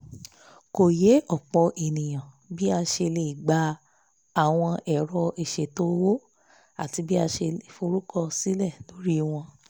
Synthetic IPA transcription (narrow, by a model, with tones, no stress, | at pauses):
ko˨je˨˦ʔɔ˦˨k͡pɔ˨˧ʔe˨nĩ˨j̃ã˨ | bi˦a˧ʃe˧le˨i˨ɡ͡ba˨˧˦ | a˦˨w̃ɔ̃˧ɛ˨ɾɔ˧e˨ʃe˨to˦wo˦ | a˨ti˧bi˦a˧ʃe˧e˨fo˧ɾu˦kɔ˧si˦lɛ˦˨lo˨˦ɾi˦w̃ɔ̃˧